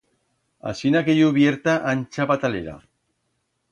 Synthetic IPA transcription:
a̰sinakeʎuβjeɾt̪aʔanʲt͡ʃapat̪aleɾa̰

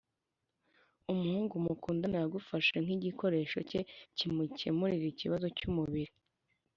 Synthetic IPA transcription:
umuhuːŋɡumukuːndanajaɡufaʃaŋ̥iɟikʰo̞ɾe̞ːʃo̞̰ce̞cimucḛmuɾiɾiciβazo̞cumuβiɾi

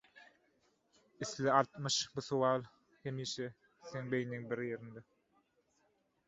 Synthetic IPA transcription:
iθliɑɾt̪mɯʃbuθowɑːlˠ | hemiːʃe | θeŋbejniŋbiɾjeɾind̪e

